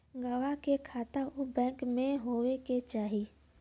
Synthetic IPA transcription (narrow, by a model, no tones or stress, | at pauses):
ɡəwakekʰaːt̪aʊbɛ̃ːŋkmẽɦoːweket͡ʃaːɦi